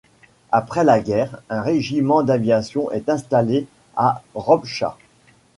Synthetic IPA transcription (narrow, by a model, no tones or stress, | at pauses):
apχɛlaɡʲɛʁɛ̃ʁeʒimɑ̃d̪avjasjɔ̃ʔɛt̪ɛ̃st̪ale | aʁɔbʃa̰